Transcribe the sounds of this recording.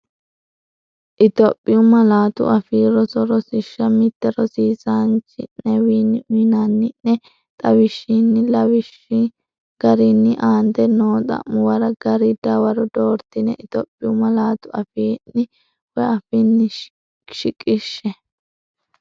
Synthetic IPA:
ʔɪt̪ɔpʼːɪʊmɐlaːt̪ʊ̰ʔɐfiːɾɔsɔɾɔsɪʃːɐmɪt̪ːɛɾɔsiːsant͡ʃɪ̰nːɛwiːnːɪʊnanːɪnːɛ | t̪ʼɐwɪʃːinːɪlɐwɪ | ɡ̥ɐɾɪnːɪʔaːnt̪ɛnoːt̪ʼɐ̰mːʊwɐɾɐɡɐɾɪd̪ɐwɐɾɔd̪o̞ːɾt̪ɪnɛ̰ʔɪt̪ɔpʼːɪʊmɐlaːt̪ʊɐfiːnːɪ | wɛɐfɪnːɪ | ʃɪkʼɪʃːɛ

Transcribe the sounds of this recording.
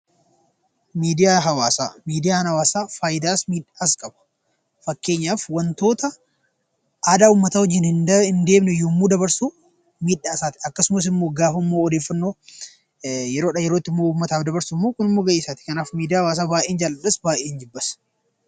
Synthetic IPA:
miːd̪ɪjaːɦɐwaːsaːmiːd̪ɪjaːnɐwaːsaːfaːjɪd̪aːsmiːᶑɐskʼɐbɐ̥ | fɐkːe̞ːɲːaːfwɐnt̪o̞ːt̪ɐ | aːd̪aːuːmːɐt̪aːhɔd͡ʒːiːnhɪnhɪnd̪e̞ːmnɛjoːmːuːd̪ɐbɐɾsu | miːᶑaːsaːt̪ɪ̥ɐkːɐsʊmɐs̬ɪmːoːɡaːfɐmːo̞ːɔd̪e̞ːfːɐnːo̞ː | jɛɾo̞ːᶑɐjɛɾoːt̪ːɪmːouːmːɐt̪aːfd̪ɐbɐɾsʊmːoːkʊnɪmːo̞ːɡɐʔiːsaːt̪ɪ̥kɐnaːfmiːd̪ɪjaːhɐwaːs̬aːbaːjʔeːnd͡ʒaːlɐɗɐsbaːjʔeːɪnd͡ʒɪbːɐs

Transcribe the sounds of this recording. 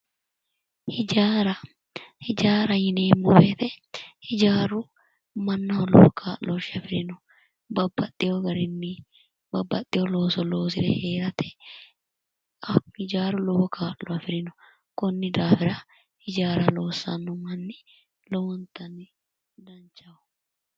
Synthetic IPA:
hɪd͡ʒaːɾɐ | hɪd͡ʒaːɾɐjɪneːmːɔbeːt̪ɛhɪd͡ʒaːɾʊ | mɐnːɐwɔlɔ̰wɔkʰaːʔlɔʃɪɐfɪɾɪnɔ | bɐbːɐt̪ʼːɪjɔɡɐɾɪnːɪ | bɐbːɐt̪ʼːɪjɔlo̞ːsɔlo̞ːsɪɾɛheːɾɐt̪ɛ̥ | ɐhɪd͡ʒaːɾʊlɔwɔkʰaːʔlɔɐfɪɾɪnɔ | kʊnːɪd̪aːfɪɾɐ | hɪd͡ʒaːɾɐlo̞ːsːɐ̰nːɔmɐnːɪ | lɔwɔnt̪ɐnːɛ | d̪ɐnt͡ʃːɐwɔ

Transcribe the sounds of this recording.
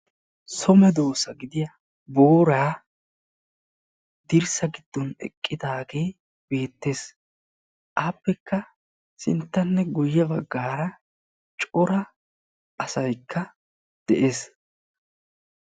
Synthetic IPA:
sɔmɛd̪o̞ːsɐɡɪd̪ɪjɐ | bo̞ːɾaː | d̪ɪɾsɐɡɪd̪̥ːɔnɛ̰kʼːɪd̪aːɡe̞ː | be̞ːt̪ːe̞ːs | ʔaːpːɛkːɐ | sɪ̰nt̪ːɐnːɛɡʊjːɐbɐɡːaːɾɐ | t͡ʃʼɔɾɐ | ʔɐsɐjkʰːɐ | d̪̥ɛʔeːs

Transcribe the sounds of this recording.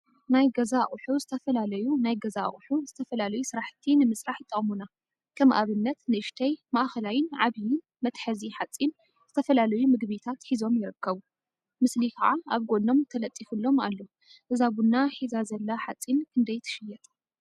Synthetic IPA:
najɡɐzaχʼħuzɨt̪ʰɐfɐlalɐjunajɡɐza̰χʼħuz̥ɨt̪ʰɐfɐlalɐjusɨɾaħt̪ʰinɨmɨsɾaħjɪt̪ʼːɐχʼmuna | kʰɐmʔa̰βɨnːɐt̪nɨʔɨʃt̪ʰɐjmaʔxɐlajɪnʕaβijɪn | mɐt̪ħɐziħat͡sʼin | z̥ɨt̪ʰɐfɐlalɐjumɨɡβit̪ʰat̪ħizo̞mjɪɾɨkːɐβu | mɨslikʰɐʕaaβɡo̞no̞mt̪ʰɐlɐt̪ʼːifɨlːo̞malːo̞ | ʔɨzaβunːaħizazɐlːaħat͡sʼːinkʰɨnd̪ɐjt̪ʰɨ̥ʃɪjɛt̪ʼ

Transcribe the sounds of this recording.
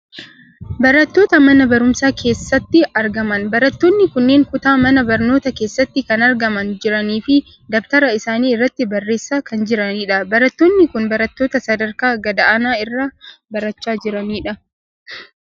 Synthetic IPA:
bɐɾɐt̪ːo̞ːt̪ɐmɐnɐbɐɾʊmsaːkʰe̞ːsːɐt̪ːɪɐɾɡɐmɐnbɐɾɐt̪ːo̞ːnːɪkʊnːeːŋkʊt̪aːmɐnɐbɐɾno̞ːt̪ɐke̞ːsːɐt̪ːɪkɐnɐɾɡɐmɐnd͡ʒɪɾɐniːfɪ | d̪ɐft̪ɐɾɐɪsaːniːɪrːɐt̪ːɪbɐrːe̞ːsːaːkɐnd͡ʒɪɾɐniːᶑɐbɐɾɐt̪ːo̞ːnːɪkʊnbɐɾɐt̪ːoːt̪ɐsɐd̪ɐɾkaːɡɐd̪ɐʔɐnaːɪrːaːbɐɾɐt͡ʃːaːd͡ʒɪɾɐniːᶑɐ

